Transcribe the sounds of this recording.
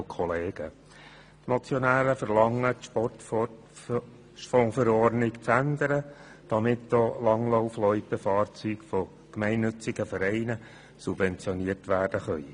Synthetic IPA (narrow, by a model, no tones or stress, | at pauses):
kʰɔleːɡ̥ə | tmɔt͡sjonæːɾəfəɾlɑŋːətʃpɔt | fõːfəɾɔɾnɪkt͡sændəɾə | d̥ɑmɪtd̥olɑŋloʊflɔʏpəfɑːɾt͡syːkfɔ | kmɛɪnːʏt͡sɪɡəfəɾɛɪnə | sub̥vɛnt͡sjɔniərtʋæːɾd̥əχœi